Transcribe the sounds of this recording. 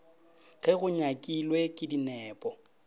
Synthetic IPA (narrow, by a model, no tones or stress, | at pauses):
ɣɛɣʊɲakʼilwekʼɪdinɛːpʼɔ